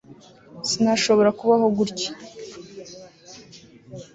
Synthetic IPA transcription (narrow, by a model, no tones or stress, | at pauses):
sinaʃo̞βo̞ɾakuβaɦo̞ɡuɾci̥